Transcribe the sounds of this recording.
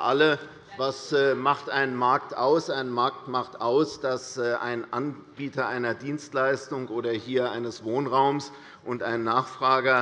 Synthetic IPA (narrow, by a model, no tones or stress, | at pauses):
ʔalə | vasmaχtʔaɪnmaɐktʔaʊsʔaɪnmaɐk̚tmaχtʔaʊsd̥asːʔa̰ɪnʔan | b̥iːtɐʔaɪnɐdiːnstlaɪstʊŋʔoːɾɐhiːɐʔaɪnəsv̥oːnʁaʊms | ʔʊntʔaɪnnːaːχfʁ̥aːɡɐ